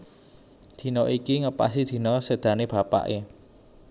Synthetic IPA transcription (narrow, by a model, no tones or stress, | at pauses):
d̪̥i̤nɔʔikiŋəpa̰sid̪̥i̤nɔsed̪̥ä̤neb̥ä̤pa̰ʔe